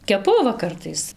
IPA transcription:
kʲɛˈpʊ ˈʋɐ ˈkɐrtɐɪs

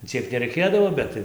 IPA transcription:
ˈt͡sʲiɛk nʲɛrʲɛɪˈkʲeːdɐʋoː ˈbʲɛt tɐɪ

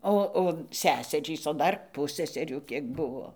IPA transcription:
ˈoː oː ˈsʲæːsʲɛrʲiːs oː ˈdɐr ˈpʊsʲsʲɛsʲɛrʲuː ˈkʲiɛk ˈbʊʋoː

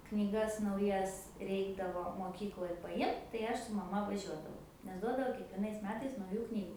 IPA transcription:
knʲiːˈɡɐs nɐʊˈjɛs ˈrʲɛɪɡdɐʋoː moːˈkʲiːklˠoːj pɐˈjɪmt tɐɪ ˈɐʃ sʊ mɐˈmɐ ʋɐˈʒʲuɔdɐʋɐʊ nʲɛs ˈduɔdɐʋoː kʲiɛkʋʲiɛˈnɐɪs ˈmʲæːtɐɪs nɐʊˈjuː ˈknʲiːɡʊ

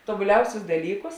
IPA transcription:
toːbʊˈlʲɛʊsʲʊs dɐˈlʲiːkʊs

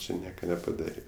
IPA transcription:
ˈt͡ʃʲɪ ˈnʲiɛkɐ nʲɛpɐˈdɑːrʲeː

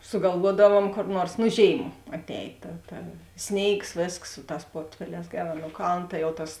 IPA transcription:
sʊɡɐlˠˈʋuɔdɐʋuɔm koːr ˈnuɔrs nʊ ˈʒʲeːɪm ɐtʲˈɛːj tɐ tɐ ˈsʲnʲeːɪks ˈʋʲeːsks ˈsʊ ˌtɑːs ˈpoːrʲtʲfʲɛˌlʲɛːs ˈɡʲæːˌrɑː nuɔ ˈkɐlˠn ˈtɐ jɛʊ ˈtɐs

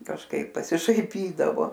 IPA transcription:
kɐʃˈkɐɪp pɐsʲɪʃɐɪˈpʲiːdɐʋoː

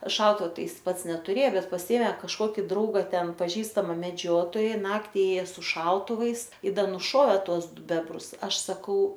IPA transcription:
ˈʃɐʊtʊʋɐ ˈtɐɪ ˈjɪs ˈpɐts nʲɛtʊˈrʲeː ˈbʲɛt pɐˈsʲɪeːmʲeː kɐʃˈkoːkʲɪ ˈdrɐʊɡɐ ˈtʲɛn pɐˈʒʲiːstɐmɐ mʲɛˈd͡ʒʲoːtoːjɛ ˈnɑːktʲɪ ˈeːjɛ sʊ ˈʃɐʊtʊʋɐɪs ɪ ˈdɐ nʊˈʃoːʋʲeː ˈtuɔs ˈdʊ ˈbʲæːbrʊs ˈɐʃ sɐˈkɐʊ

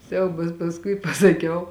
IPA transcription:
ˈsʲɛʊbɐs pɐsˈkʊɪ pɐsɐˈkʲɛʊ

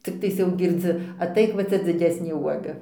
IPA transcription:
t͡sʲɪkˈtɐɪs jɛʊ ɡʲɪrʲˈd͡zʲɪ ɐˈtɐɪk ʋɐ ˈt͡sʲɛ d͡zʲɪˈdʲæːsʲnʲeː ˈuɔɡɐ

